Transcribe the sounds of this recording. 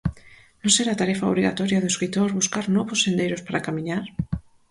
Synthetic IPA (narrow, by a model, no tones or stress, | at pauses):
nõnseɾat̪aɾefaoβɾiɣa̰t̪oɾjaðoeskɾit̪oɾβuskaɾnoβosːend̪ejɾospaɾakamĩɲaɾ